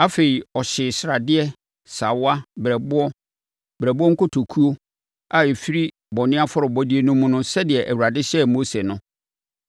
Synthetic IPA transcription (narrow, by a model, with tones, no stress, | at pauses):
a˦fe˨ɾi˨ɔ˨ɕɪ˨sɾa˨dɪ˦ɛ˦ | sa˨wa˦bɾɛ˨bʊ˦ɔ˦ | bɾɛ˨bʊ˦ɔ˦ŋ̩˦kʊ˦tʰo˨kʰu˦o˦ | a˨e˨fi˦ɾi˦ | bɔ˨nɪ̃˦a˦fʊ˦ɾʊ˨bɔ˦dɪ˦e˦nũ˦mũ˦nʊ̃˦sɛ˦dɪ˨ɛ˨ʔæ˨wu˨ɾa˨dɪ˦ɕɛ˦mo˦se˨nʊ̃˦